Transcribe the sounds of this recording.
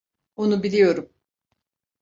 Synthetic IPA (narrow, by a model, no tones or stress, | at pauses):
onubilʲijo̞ɾum